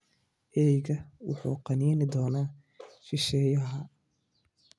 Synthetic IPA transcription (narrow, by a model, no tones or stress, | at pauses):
ʔɛjɣɐwʊħṵːqɑnɛːnɪd̪ɔːnaː | ʃɪʃɛːjɐɦɐ